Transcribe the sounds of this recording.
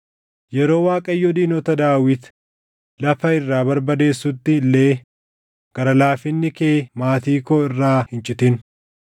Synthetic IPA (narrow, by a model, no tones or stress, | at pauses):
jɛɾo̞ːwaːkʼɐjːɔd̪iːnɔt̪ɐd̪aːwɪt̪ | lɐfɐɪrːaːbɐɾbɐd̪e̞ːsːʊt̪ːɪlːe̞ː | ɡ̥ɐɾɐlaːfɪnːɪkeːmaːt̪iːkoːɪrːaːhɪnt͡ʃʼɪt̪ɪn